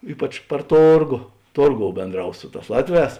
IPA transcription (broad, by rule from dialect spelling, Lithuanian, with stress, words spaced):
ˈiːpɐt͡ʃ pɐr ˈtoːrɡoː ˈtoːrˌɡoːʊ bʲeːnˈdrɐʊs ˈsʊ ˌtɑːs ˈlˠɑːtʲˌʋʲɛːs